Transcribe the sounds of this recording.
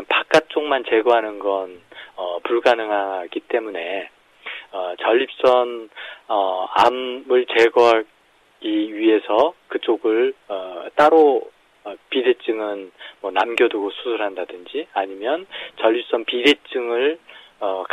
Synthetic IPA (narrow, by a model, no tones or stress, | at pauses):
npak͈at̚t͡ɕ͈oŋmant͡ɕe̞ɡʌɦanɯnɡʌnʌpuɭɡanɯŋɦaɡit͈e̞mune̞ | ʌt͡ɕʌʎːip̚s͈ʌnʌa̰mɯɭt͡ɕe̞ɡoɦa | ɡ̥iɥiɦe̞sʰʌkɯt͡ɕ͈oɡɯɭʌt͈aɾo | pidet͡ɕ͈ɯŋɯnmwʌnamɡjʌduɡosʰusʰuɾɦandadɯnd͡ʑiaɲimjʌnt͡ɕʌʎːip̚s͈ʌnpidet͡ɕ͈ɯŋɯɭʌk